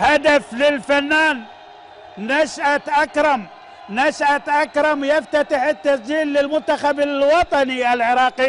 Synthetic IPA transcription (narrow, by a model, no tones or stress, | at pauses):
had̪aflɪlfanːaːnː | aʃʔaʔakɾˤɑm | naʃʔat̪ʔakɾˤɑmjaft̪at̪ɪħɪt̪ːasd͡ʒiːlːɪlmʊnt̪ːaxabalwɑt̪ˤɑniʔalʕɪɾˤɑːqi